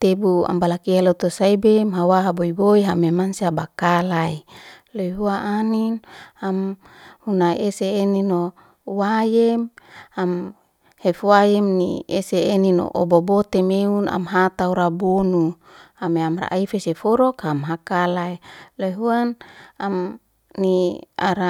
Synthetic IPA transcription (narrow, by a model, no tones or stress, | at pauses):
t̪ebua̰mbalakialot̪osaibemɦawaɦaboiboiɦamemansiabakalailojɦuaʔaninam | hunaeseːnino | wajemam | hefwajɛmnḭeseːnino̰ʔobobot̪emeuna̰mɦat̪auɾabonu | ameamra̰ʔaifesefɔɾɔkhamɦakalailoiɦuanam | nia̰ɾa